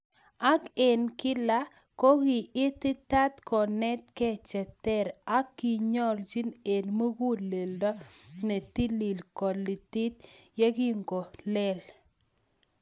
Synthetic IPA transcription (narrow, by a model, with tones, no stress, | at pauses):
a˦ke˨nkɪ˦la˦ | ko˦ɣɪ˨ɪ˦t̪ɪ˦ta˦t̪kɔ˨nɛ˦t̪̚kɛ˦t͡ʃɛ˨tɛ˦˨ɾa˦kːi˨ɲɔ˦ld͡ʒi˦ne˨nmo˦ɡu˦le˨ldɔ˦nɛ˨t̪i˦li˨lkɔ˨lɪ˨tɪ˦t̪ja˦ɡi˦ŋɡo˨lɛ˦l